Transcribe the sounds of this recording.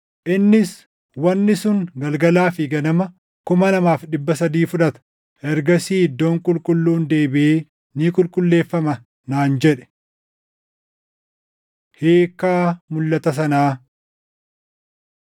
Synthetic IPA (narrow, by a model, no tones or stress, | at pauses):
ʔɪnːɪs | wɐnːɪsʊŋɡɐlɡɐlaːfɪɡɐnɐmɐ | kʊmɐnɐmaːfᶑɪbːɐsɐd̪iːfʊᶑɐt̪ɐ̥ | ʔɛɾɡɐsiːd̪ːoːŋkʼʊlkʼʊlːuːnd̪e̞ːbɪeː | niːkʼʊlkʼʊlːe̞ːfːɐmɐ | naːnd͡ʒɛᶑɛ̥ | heːkːaːmʊlːɐt̪ɐs̬ɐnaː